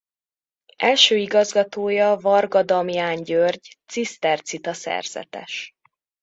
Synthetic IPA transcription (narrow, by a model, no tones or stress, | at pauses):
ʔɛlʃøːiɡɒzɡɒt̪oːjɒvɒrɡɒd̪ɒmjaːɲɟørɟt̪sist̪ɛrt̪sit̪ɒsɛ̰rz̥ɛ̰t̪ɛ̰ʃ